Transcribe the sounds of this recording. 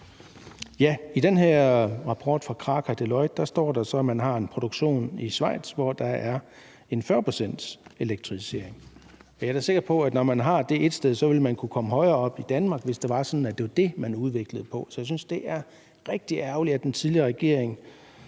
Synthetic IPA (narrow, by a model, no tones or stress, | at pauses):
jæid̥enɦeɐ̰ʁɑ̈pʰɒ̰ːd̥fʁɑ̈kʰʁɑ̈ːkʰæd̥elɒ̽ɪd̥ɑ̈sd̥ɒ̰ːd̥ɑ̈sɒ̽æmænɦɑ̈e̝npʰʁo̝dɾ̥oɡ̥ɕo̝̰ːnisʋɑ̈ɪ̰d̥sʋɒd̥ɑ̈æɐ | e̝nfɶɐpʰʁosen̰d̥se̝leɡ̥̚t͡sʰʁifse̝ɐ̰eŋ | ɒjɑ̈ɐ̥æɐse̝ɡ̥ɐpʰɒ̽æd̥nɒmænɦɑ̈d̥e̝ʔe̝d̥sd̥eðˠsɒ̽ʋe̝lmænkʰukʰɒ̽məɦɒ̽ɪɐːɒ̽b̥id̥ænmɑ̈ɡ̥ʋe̝sd̥eʋɑ̈sɒ̽nn̩æd̥e̝ʋɑ̈d̥e̝mænuð̞ˠʋe̝ɡ̥ləð̞̩ˠpʰɒ̽sɒjäs̬ynsd̥e̝ʔæɐ | ʁɛɡ̥̚d̥iæɐʊliæd̥ent͡sʰiðˠliɐʁɛɡ̥e̝̰ɐ̰eŋ